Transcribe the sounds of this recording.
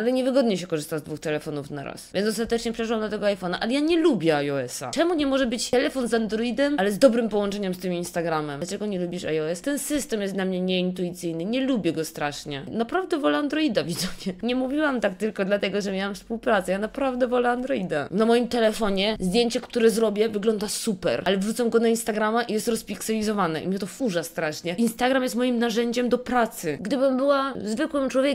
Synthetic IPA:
alɛɲɛvɘɡɔd̪ɲɛɕɛkɔʐɘst̪azd̪vuxt̪ɛlɛfɔnufna̰ɾa̰svʲjɛnɔst̪at̪ɛt͡ʂɲɛfpʂɛwamd̪ɔt̪ɛɡɔajfɔnaʔalɛjaɲɛlubʲjɛajɔɛsa̰t͡ʂɛmuɲɛmɔʐɛbɘt͡ɕ̪ɛlɛfɔnzand̪ɾɔid̪ɛmalɛzd̪ɔbɾɘmpɔwɔnt͡ʂɛɲɛmst̪ɘminst̪aɡɾamɛmat͡ʂɛɡɔɲɛlubʲiʂajɔɛst̪ɛnsɘst̪ɛmjɛst̪d̪lamɲɛɲɛint̪uit̪sɘjnɘɲɛlubʲjɛɡɔst̪ɾaʂɲɛnapɾavd̪ɛvɔlɛand̪ɾɔid̪avʲizɔmɲɛɲɛmuvʲiwamt̪ak̚t̪ɘlkɔd̪lat̪ɛɡɔʐɛmʲjawamfspuwpɾat̪sɛjanapɾavd̪ɛvɔlɛand̪ɾɔid̪a̰namɔjimt̪ɛlɛfɔɲɛzd̪ʲjeɲt͡ɕɛkt̪uɾɛzɾɔbʲjɛvɘɡlɔnd̪asupɛ̰ɾʔalɛvɾut̪sɔmɡɔnainst̪aɡɾamaʔijɛst̪ɾɔspʲiksɛlʲizɔvanɛʔḭmʲɲɛt̪ɔfuʐast̪ɾaʂɲɛinst̪aɡɾamjɛst̪mɔjimnaʐɛɲd͡ʑɛmd̪ɔpɾat̪sɘɡd̪ɘbɘmbɘwazvɘkwɘmt͡ʂwɔvʲje

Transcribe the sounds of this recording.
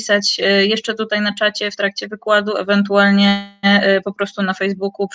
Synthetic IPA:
sat͡ɕjɛʂt͡ʂɛt̪ut̪ajnat͡ʂat͡ɕɛft̪ɾak̚t͡ɕɛvɘkwad̪uɛ̰vɛnt̪ualɲɛpɔpɾɔst̪unafɛjzbukup

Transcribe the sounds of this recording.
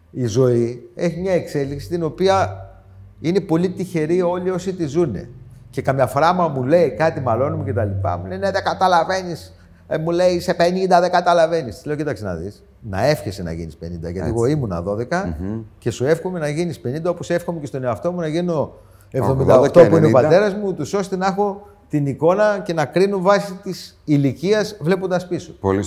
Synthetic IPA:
izo̞ie̞çimɲɐe̞kse̞liksi̥t̪ino̞piɐ | ine̞po̞lit̪içe̞ɾio̞lio̞sit̪izune̞̰ce̞kɐmɲɐfɾɐmɐmule̞ikɐt̪imɐlo̞numuce̞t̪ɐlipɐ̰muleine̞ðe̞kɐt̪ɐlɐve̞nis | mule̞ise̞pe̞nind̪ɐðe̞ɡɐt̪ɐlɐve̞nist̪i̥sle̞ocit̪ɐksinɐ̰ðḭs | nɐ̰e̞fçesenɐ̰ʝḭnispe̞̰nind̪ɐ̰ʝɐt̪iɣo̞imunɐ̰ðo̞ðe̞kɐce̞sue̞fxomenɐʝinispe̞nind̪ɐo̞pose̞fxo̞mecest̪o̞neoɐft̪o̞munɐʝino̞ | e̞vvðo̞mind̪ɐoxt̪o̞puiinepɐt̪e̞ɾɐzmut̪uso̞st̪e̞nɐexo̞ | t̪iniko̞nɐce̞nɐkɾinuvɐsit̪is | iliciɐzvle̞p̬ond̪ɐspisu̥pol

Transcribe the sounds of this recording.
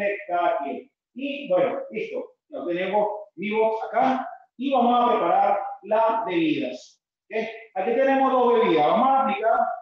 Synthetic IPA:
ekaðakjen | ibwenoist̪o | jat̪enemosbiβoksaka | iβamosapɾepaɾaɾlasbeβiðas | keakit̪e̞nemozðozβeβiðaβamosaika

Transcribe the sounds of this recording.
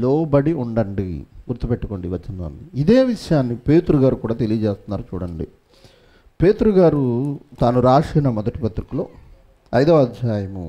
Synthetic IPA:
lɔːbɐɽiuɳɖɐɳɖiɡuɾt̪ːupeʈːu̥ko̞ːɳɖiʋɐɐnlo̰ːunɖiid̪e̞ːʋiʂɐjaːnːipe̞ːt̪ɾuɡaːɾukuːɽaːt̪̬e̞lijɐt͡ʃeːst̪unːaːɾut͡ʃuːɽɐɳɖḭ | pe̞ːt̪ɾuɡaːɾut̪aːnuɾaːʂɛːnɐmɔd̪ɐʈipɐt̪ɾikulo̰ː | ɐjd̪ɐʋɐd̪ʱjaːjɐmu

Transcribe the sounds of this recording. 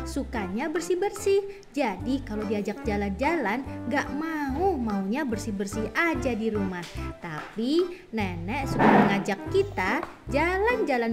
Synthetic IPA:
sukaɲabərsibərsɪh | d͡ʒadikalodiad͡ʒak̚d͡ʒaland͡ʒalanɡaʔmaumauɲabərsibərsihad͡ʒadiɾumaht̪api | nɛnɛʔsukaməŋad͡ʒakːit̪a | d͡ʒaland͡ʒalan

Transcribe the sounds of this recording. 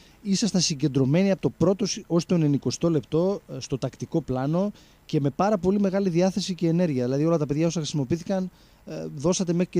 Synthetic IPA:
isɐst̪ɐsiɲɟe̞nd̪ɾo̞me̞niɐpot̪opɾo̞t̪o̞so̞st̪o̞ne̞niko̞st̪o̞le̞pt̪o̞st̪o̞t̪ɐkt̪iko̞plɐno̞ | ce̞me̞pɐɾɐpo̞lime̞ɣɐliðiɐθe̞sice̞ːne̞ɾʝiɐðilɐðio̞lɐt̪ɐpe̞ðʝɐo̞sɐxɾisimo̞piiθi̥kɐn | ðo̞sɐt̪e̞me̞xɾi̥e

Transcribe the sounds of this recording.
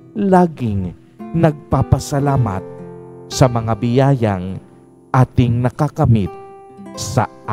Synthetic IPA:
laːɡɪŋ | nɐɡ̚papɐsɐlaːmɐ̰t̪̚sɐmɐŋabɪjaːja̰ŋ | ʔaːt̪ɪŋnɐkakɐmɪt̪̚ | sɐ̰a

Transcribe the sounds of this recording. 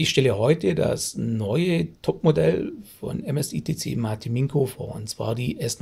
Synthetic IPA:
ɪçʃtɛləhɔʏtʰəda̰snɔʏətʰɔpmodɛlfɔ̰nɛmɛsiːtʰeːt͡sḛːmaɐtʰimɪŋkʰofoːɐʊnt͡sv̥a̰ːɐdiːʔɛɐst

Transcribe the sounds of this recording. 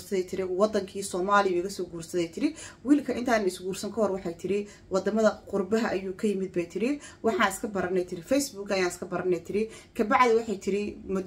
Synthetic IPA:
sɐðɛjt̪ʰɪɾɪwɑd̪ɐŋkʰiːsɔːmaːlɪʊɪɣɐsɔːɡuːrsɐðɛjt̪ʰɪɾɪwiːlkʰɐʔɪnt̪ʰaːnnɪsɡuːrsɐŋkʰɐɦɔrwɑħɑjt̪ʰɪɾɪ | wɑd̪ɐmɐðɐqʊrbɐɦɐʔɐjuːkʰɐjɪmɪd̪̚bɛjt̪ʰɪɾɪwɑħɑːɪskʰɐbɐɾɐnɛjt̪ʰɪɾɪfɛjsbuːɡɐjaːnɪskʰɐbɐɾɐnɛjt̪ʰɪɾɪkʰɐbɑʕd̪ɪwɑħɑjt̪ʰɪɾɪmʊ

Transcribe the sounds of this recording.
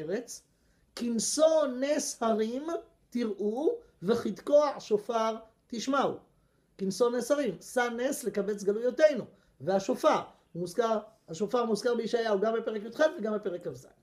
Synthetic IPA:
ʁet͡s | kinsoneshaʁim | t̪iʁʔu | veχit̪koaʕʃofaʁ | t̪iʃmaṵ | kinso̞neshaʁimsanesle̞kabet͡sɡalujote̞jnu | veaʃofaʁ | muzkaʁhaʃofaʁmuzkaʁbeiʃajauɡambepeʁekjot̪χedveɡambepeʁekhavzḛ

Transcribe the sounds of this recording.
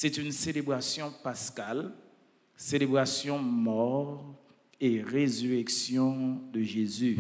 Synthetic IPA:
sɛt̪ynselebʁasjɔ̃paskal | selebʁasjɔ̃mɔʁ | eʁezyʁɛksjɔ̃d̪əʒezy

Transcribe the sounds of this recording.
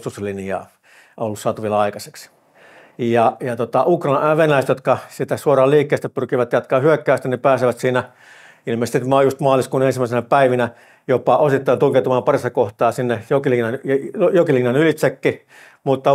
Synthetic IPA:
t̪uslinjɑ̰ː | olːussɑːt̪uʋielɑikɑse̥ks | jɑjɑt̪ot̪ɑukrɑʋenæist̪jot̪kɑsit̪æsuorɑːlliːkːeːst̪æpyrkiʋæt̪jɑt̪kɑːhyøkːæːst̪ænipæːseʋæt̪siːnæ | ilmeːsetimɑːjust̪mɑːliskuːnensimːˑæisenæpæiʋinæ | jopɑʔosit̪ːɑint̪ulkeut̪umɑːmpɑrist̪ɑkoht̪ɑːsinːejokilinɑnjjokilinːɑnylit̪sekːi | mut̪ːɑ

